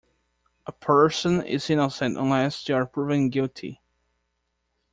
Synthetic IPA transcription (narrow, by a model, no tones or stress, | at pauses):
ʔəpʰɜ˞sə̃nɪ̰zɪ̃nəsɛ̃ntə̰̃nlɛstuəɹpʰɹ̥uvɪ̃ŋɡɪlˠtʰḭ